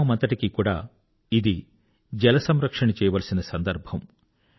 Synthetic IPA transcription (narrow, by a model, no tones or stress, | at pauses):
ɐmɐnt̪ɐʈikikuːɽa̰ː | id̪i | d͡ʒɛlɐsɐmɾɐkʂɐɳɐt͡ʃɛːjɐʋɐːlɐsinɐsɐnd̪ɐɾbʱɐm